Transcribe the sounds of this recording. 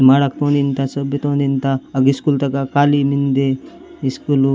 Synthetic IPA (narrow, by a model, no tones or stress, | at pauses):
maɽak̚t̪õnd̪int̪asəbjət̪õːnd̪int̪aəɡiskult̪ɐkakaːlimind̪e | iskul